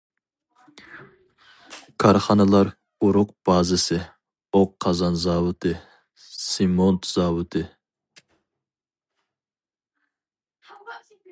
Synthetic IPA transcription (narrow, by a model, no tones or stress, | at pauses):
kʰɑɾχɑnɨlˠɑɾ | uɾʊq̚b̥ɑːzɪsɪ | oqʰːɑzɑnzɑːwʊt̪ʰɨ | simont̪z̥ɑːwʊt̪ʰɨ